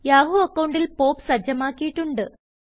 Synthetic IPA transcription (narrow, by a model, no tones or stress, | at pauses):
jaːɦuɐkːɐwɳɖilpo̞ːpsɐd͡ʑɐmaːkːijiʈːuɳɖɨ